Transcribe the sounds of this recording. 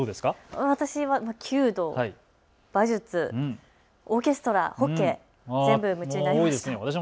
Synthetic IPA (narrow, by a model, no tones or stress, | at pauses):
doːd̪e̞skaaβat̪aɕiβamakʲʰɨːd̪o̞hai | b̥aʑɨt͡sɨ̃ | o̞kʲe̞sɨ̥t̪o̞ɾa̰ho̞kːe̞ | ze̞mbɯmɯ̟t͡ɕiinaiːid̪esɨneβat̪aɕim